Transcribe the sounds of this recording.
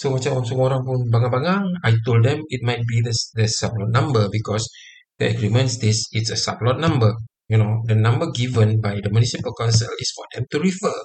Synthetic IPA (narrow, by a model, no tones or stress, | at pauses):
somat͡ʃawɔ̃nsomɔɾãŋpũnbaŋãbaŋãŋajtoldɛ̃mit̚majt̚bidəsdəsap̚lɔt̚nãmbəbikɔs | dəəɡɹimə̃ntstesitsəsaplɔt̚nãmbə | junodənãmbəɡivə̃nbajdəmjunisipəlkãnsə̰lisfɔdɛ̃mtuɹifə